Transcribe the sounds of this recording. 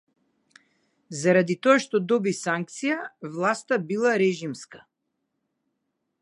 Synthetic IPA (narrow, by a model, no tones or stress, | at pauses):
zaɾad̪it̪ɔaʃt̪ɔd̪ɔbisaŋk̚t̪sijavlˠast̪abilˠaɾɛʒimska